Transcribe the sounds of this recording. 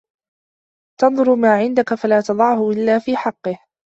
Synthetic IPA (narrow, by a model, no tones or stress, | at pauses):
t̪ɑnðˤʊɾmaːʕɪnd̪akafalaːt̪ɑðˤɑʕhʊʔɪlːaːfiːħɑqːɨh